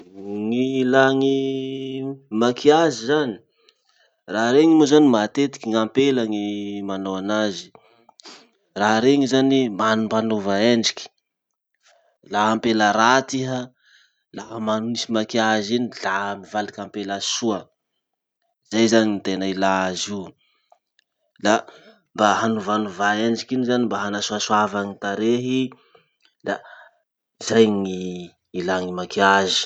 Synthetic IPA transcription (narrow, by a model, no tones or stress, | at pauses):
ŋilaŋi | makʰiazizani̥ | raɾeŋimozanimat̪et̪i̥kʲiŋampelaŋimanoanazi̥ | raɾeŋizanimanumpanovaeɳɖ͡ʐikʲi̥ | laɦampeləɾat̪iɦa | laɦamanunisimakiazinilaɦmivalikampelasuə | zajzaɲint̪enailazi | la | mbaɦanuvanuvaend͡ʒikinizanimbaɦanasuasuavaŋit̪aɾeɦi | la | zajŋi | ilaŋimakiazi̥